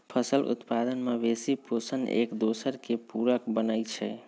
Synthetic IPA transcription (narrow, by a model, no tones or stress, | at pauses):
pʰəsəlʔṵt̪pad̪ənmebesiposənḛkd̪osəɾkepuɾəkbənəjt͡ʃʰɛ̰